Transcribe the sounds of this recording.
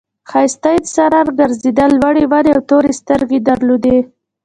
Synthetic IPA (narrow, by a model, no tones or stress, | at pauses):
xajst̪ajd̪əsaɾaɾɡaɾzed̪alwaɽewaɾeawt̪oɾest̪əɾɡed̪aɾlod̪e